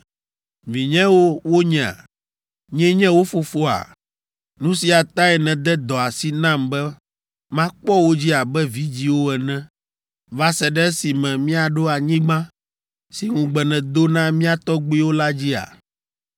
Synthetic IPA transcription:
vĩ˨ɲɛ̃˦wo˦wo˦ɲɛ̃˨a̰˨ | ɲɛ̃˦ɲɛ̃˦wo˦fo˨fo˦a̰˨ | nũ˦si˨a˨t̪ã˦ɛ˨nɛ̃˨d̪ɛ˦d̪ɔ˨a˨si˨nã˦mbɛ˦ | mã˦k͡pɔ˦wo˦d͡ʑi˦a˨bɛ˦vi˦d͡ʑi˦wo˦ɛ˨nɛ̃˦ | va˦sɛ˨ɖɛ˦ɛ˦si˨mɛ̃˨mĩ˦a˨ɖo˦a˨ɲĩ˦ɡ͡bã˦ | si˨ŋũ˨ɡ͡bɛ˨nɛ̃˨d̪o˦nã˦mĩ˦a˨t̪ɔ˦ɡ͡bi˦wo˦la˦d͡ʑi˦a̰˨

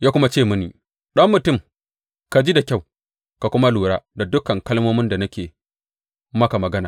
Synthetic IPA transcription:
jaː˦kʷʊ˦ma˦t͡ʃeː˦˨mʊ˦nḭː˨ | ɗɐ˦mːʊ˨tʊ˦˨m | ka˨d͡ʒi˦da˨kʲa˦˨w | ka˨kʷʊ˦ma˦luː˨ɽaː˦da˨dʊ˦kɐ˨ŋkɐ˦lmoː˦mɪ˦nda˨na˦kʲeː˨ | mɐ˦ka˨mɐ˨ɡɐ˦naː˨

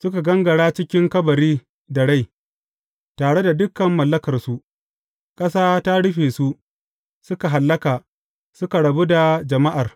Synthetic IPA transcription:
sʊ˦ka˨ɡɐ˦ŋɡɐ˨ɽaː˦t͡ʃɪ˦kʲɪ˦ŋkɐ˦bɐ˨ɾiː˦ | dɐ˨ɽa˦˨j | taː˨ɽe˦da˨dʊ˦kɐ˨mːɐ˨lːɐ˦kɐ˨rsu˦ʔ | kʼɐ˦saː˦ta˦ɽʊ˦ɸeː˨su˦ | sʊ˦ka˨ɦa˨lːɐ˦kaː˨ | sʊ˦ka˨ɽɐ˨bu˦da˨d͡ʒɐ˨ma˦ʔa˨r

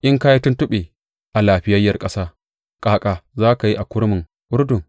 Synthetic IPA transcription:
ʔɪ˦ŋkaː˦ji˦tʊ˦ntʊ˦ɓeː˨ | ʔa˨laː˨ɸɪ˦jɐ˦jːɐ˨rkʼɐ˦saː˦ | kʼaː˨kʼaː˨zaː˦ka˨ji˦ʔa˨kʷʊ˦ɽmɪ˨ŋ | ʔʊ˦ɾdʊ˨ŋ

